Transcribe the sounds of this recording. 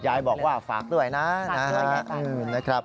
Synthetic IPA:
jaː˧jbɔː˨˩k̚waː˥˩fa̰ː˨˩k̚du˥˩əjna˦˥na˦˥ɦa˦˥ʔɯː˧˨˧na˦˥kʰɾa˦˥p̚

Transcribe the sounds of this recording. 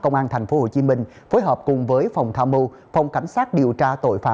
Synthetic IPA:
kə˧wŋ͡mʔaː˧nt̪ʰɛ˨˩jŋ̟fo˨˦ho̰˧˩t͡ɕi˨˦mï˧ŋ̟ | fo˨˦jɦəː˨˩p̚kʊ˨˩ŋ͡mvəː˨˦jfa˨˩wŋ͡mt̪ʰaː˧mu˧ | fa˧˩wŋ͡mka˨˦jŋ̟saː˦˥t̚ɗi˨˩əwt͡ɕaː˧t̪o̰˧˨jfa̰ː˧

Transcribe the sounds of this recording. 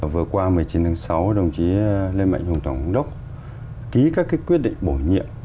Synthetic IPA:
vɨ˨˩ət̚kwaː˧mɨ˨˩əjt͡ɕi˨˦nt̪a˨˦ŋsa˨˦wɗə˨˩wŋ͡mt͡ɕi˨˦le˧nma̰ː˧˨ŋhu˨˧˩ŋ͡mt̪ʰwaː˧˩ŋ˨˦ŋ͡mɗə˦˥wk͡p̚ | ki˨˦kaː˦˥kːi˦˥kwi˦˥t̚ɗḭ˧˨ŋ̟ɓo˧˩ɲḭ˧˨əm

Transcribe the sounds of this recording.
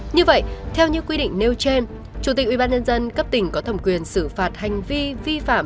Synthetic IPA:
ɲɨ˧və̰˧˨jt̪ʰɛ˧wɲɨ̰˧˥kwi˧ɗḭ˧˨ŋ̟ne˧wt͡ɕe˧n | t͡ɕu˧˩t̪i˨˩k̚ʔwi˧˩ɓaː˧nɲə˧nzə˧nkə˦˥p̚t̪ï˧˩ŋ̟kɔ˨˦t̪ʰə˧˩ŋ͡mkwi˨˩ənsɨ˧˩faː˨˩t̚ha˨˩jŋ̟vi˧vi˧fa̰ː˧˩m

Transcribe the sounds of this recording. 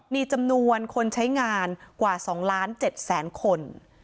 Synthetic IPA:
miː˧t͡ɕa˧mnu˧ənkʰo˧nt͡ɕʰa˦˥jŋaː˧nkwaː˨˩sɔː˩˦ŋlaː˦˥nt͡ɕe˨˩t̪̚sɛː˩˦nkʰo˧n

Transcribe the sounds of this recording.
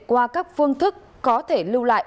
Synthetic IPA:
kwaː˧kaː˦˥k̚fɨ˧əŋt̪ʰɨ˦˥kːɔ˨˦t̪ʰe˧˩lɨ˧wla̰ː˧˨jʔ

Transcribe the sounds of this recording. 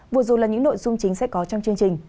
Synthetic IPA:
vu˨˩əzo˨˩jlaː˨˩ɲɨ̰˧˥ŋno̰˧˨jzʊ˧ŋ͡mt͡ɕï˨˦ŋ̟sɛ̰˧˥kɔ˨˦t͡ɕɔ˧wŋ͡mt͡ɕɨ˧əŋt͡ɕï˨˩ŋ̟

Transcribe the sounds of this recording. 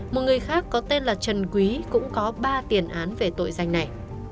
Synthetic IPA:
mo˨˩t̚ŋɨ˨˩əjxaː˦˥kːɔ˨˦t̪e˧nlaː˨˩t͡ɕə˨˩nkwi˨˦kʊ̰˧˥ŋ͡mkɔ˨˦ɓaː˧t̪i˨˩ənʔaː˨˦nve˨˩t̪o̰˧˨jza˨˩jŋ̟na˨˩j

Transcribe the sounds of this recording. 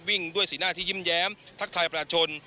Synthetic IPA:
wi˥˩ŋdu˥˩əjsiː˩˦naː˥˩t̪ʰi˥˩i˥˩mjɛː˦˥mt̪ʰa˦˥k̚t̪ʰaː˧jpa˧aː˧t͡ɕʰo˧n

